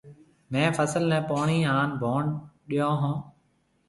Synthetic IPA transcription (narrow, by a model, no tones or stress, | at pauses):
mɛ̃ːfʰəsəlnɛ̃ːpaːɳiːɦãːnbʱaːɳɗijõːɦãː